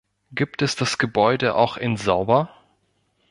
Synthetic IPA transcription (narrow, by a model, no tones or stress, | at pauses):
ɡ̥iːp̚tɛsd̥asɡ̥əbɔʏdəʔa̰ʊxɪnzaʊbɐ